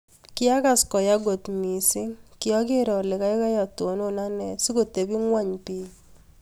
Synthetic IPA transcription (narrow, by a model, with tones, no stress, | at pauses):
kɪ˦a˦ka˨skɔ˨ja˦ɡo˨tmi˨sɪ˦ŋkɪ˦ɔ˦kɪ˦ɾɔ˨lɪ˨ka˦ɪ˦ka˦ja˨to˨no˦na˦nɛ˨si˦ko˨te˨bi˦ŋwa˦ɲpi˦